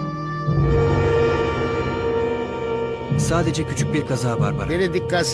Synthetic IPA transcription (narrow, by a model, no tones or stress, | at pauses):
saːd̪ed͡ʒɛcʰyt͡ʃʰyc̚biɾkʰazaːva̰ɾba̰ɾeɾed̪ikːas